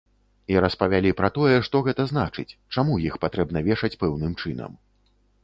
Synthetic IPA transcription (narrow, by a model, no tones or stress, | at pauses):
iɾɐspɐvʲalʲipɾɐt̪ɔjɛʂt̪ɔɣɛt̪ɐzn̪a̰t͡ʂɨ̰t͡sʲt͡ʂamujixpat̪ɾɛbnɐvʲɛʂɐt͡sʲpɛwnɨmt͡ʂɨnɐ̰m